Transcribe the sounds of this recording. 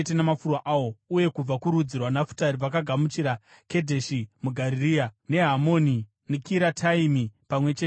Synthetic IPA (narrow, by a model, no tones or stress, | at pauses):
et̬enamafurwaʔaːwo̞uje̞kub͡vakuɾud͡zirwanafu̥taɾiʋak̬aɡʱamut͡ʃiɾa | ke̞dʱe̞ʃimuɡʱaɾiriane̞ɦamoːni | nekiɾatʰaimipamwe̞t͡ʃe